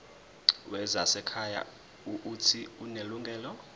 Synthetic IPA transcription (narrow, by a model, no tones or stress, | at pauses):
wɛzasɛkʰaja̰ | uʔutʰiuneluŋɡʱɛːlɔ